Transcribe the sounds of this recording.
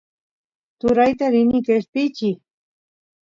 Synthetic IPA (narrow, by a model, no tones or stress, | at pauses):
t̪ʊɾajt̪aɾɪnɪkesp̪ɪt͡ʃɪ